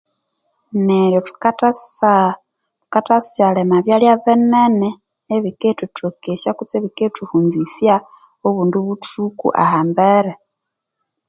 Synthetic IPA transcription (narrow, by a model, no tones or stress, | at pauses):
neɾjotu̥ | tu̥katasjalemaβjaljaβeneneː | βiketutʰokeʃakut͡seβiketʰuhuːnzisja | oβuːnduβutukṵʔa̰haːmbeɾe